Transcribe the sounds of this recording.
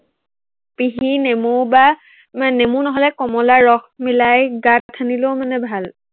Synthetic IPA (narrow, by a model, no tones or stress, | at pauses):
piɦinemuba | manemunɔɦɔlɛkɔmɔlaɹɔxmilajɡattʰːanilowmanɛbʱal